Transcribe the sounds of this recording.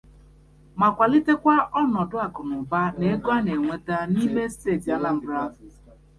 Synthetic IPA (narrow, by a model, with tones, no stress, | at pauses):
ma˨kʷa˨li˦te˦kʷa˦ʔɔ˦nɔ˨dʊ˦a˨kʊ˨nʊ˨ba˦ne˨e˦ɡo˦a˦ne˨ŋʷe˦ta˦ni˦me˦ste˦˨ta˨la˦m̩˦bɾa˦˨